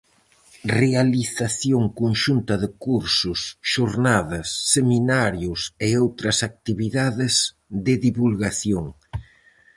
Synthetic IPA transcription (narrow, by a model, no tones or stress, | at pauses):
realiθaθjoŋkonʃunt̪ɐðɪkuɾsʊsʃoɾnaðɐsːeminaɾjʊseowt̪ɾɐsak̚t̪iβiðaðɪz | ðɪðiβulɣaθjoŋ